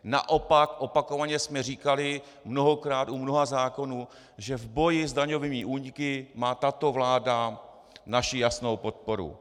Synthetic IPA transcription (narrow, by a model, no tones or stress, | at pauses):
na̰ʔo̞pakʔo̞pako̞vaɲɛsmɛriːkalɪ | mno̞ɦo̞kɾaːt̪umnoɦazaːko̞nuː | ʒɛvbo̞jɪzdaɲo̞vɪmiʔuːɲɪkɪmaːt̪at̪o̞vlaːda | naʃɪjasno̞wpo̞t̪̚po̞ɾṵ